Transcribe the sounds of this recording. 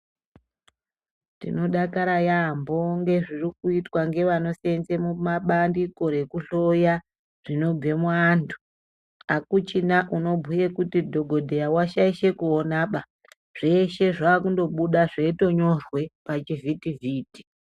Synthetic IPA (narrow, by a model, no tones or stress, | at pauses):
tḭno̞ɗakaɾajambo̞ŋɡe̞ʐirikuitwaŋɡe̞ʋano̞senze̞mumaɓandiko̞ɾe̞kuɬo̞ja | ʐ̥ino̞b͡ve̞muandu | akut͡ʃinaʔuno̞bʱujekutidʱo̞ɡʱo̞dʱejawaʃaiʃe̞kuonaɓa | ʐ̥e̞ʃe̞ʐaːkundo̞ɓuɗaʐeito̞ɲo̞rwe̞pat͡ʃivitiviːti̥